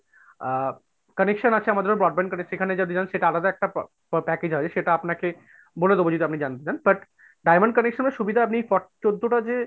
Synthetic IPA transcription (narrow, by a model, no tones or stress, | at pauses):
kənekʃonat͡ɕʰeamad̪eɾobɾɔɖ̚bɛnkənekʃekʰaned͡ʑad̪ed͡ʑanʃeʈaalad̪aɛk̚ʈa | pɛked͡ʑɦɔed͡ʑeʃeʈaapnake | boled̪obod͡ʑud̪iapnid͡ʑant̪et͡ɕanbɐʈ | ɖajməɳɖ̚kənekʃonbaɾʃubid̪ʱaap̬niejfɔʈt͡ɕod̪ːoʈad͡ʑe